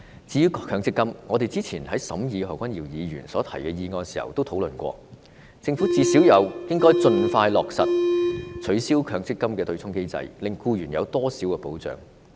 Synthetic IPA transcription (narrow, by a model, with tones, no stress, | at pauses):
t͡siː˨˧jyː˥kkʰœː˧ŋt͡sɪ˥kːɐ˥mŋɔː˨˧t̪e˨jt͡siː˥t͡sʰiː˨˩nhɐ˨˥jsɐ˨˥mjiː˨˧ɔː˨˩kʷɐ˥njiː˨˩wjiː˨˧ɥyː˨˩nsɔː˨˥t̪ʰɐ˨˩jkɛː˧jiː˨˧ŋɔː˧nsi̥ː˨˩hɐ̰˨wt̪wtʰwlɵ˨nkʷɔ̰ː˧ | t͡sɪ˧ŋfuː˨˥t͡siː˧siː˨˥wjɐ˨˧wjɪ˥ŋkɔː˥jt͡sɵ˧nfaː˧jlɔː˨k̚sɐ̰˨t̚t͡ʃʰɵ˨˥ɥsiː˥wkʰœː˨˧ŋt͡sɪ˥kːɐ˥mkɛː˧t̪ɵ˧ɥt͡sʰʊ˥ŋke˥jt͡sɐ̰˧jlɪ˨ŋkuː˧jyː˨˩njɐ˨˧wt̪ɔː˥siː˨˥wkɛː˧˩po̰˨˥wt͡sœ̰ː˨˥ŋ